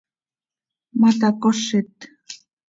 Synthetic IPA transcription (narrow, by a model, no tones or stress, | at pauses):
mat̪̬akoʂɪt̪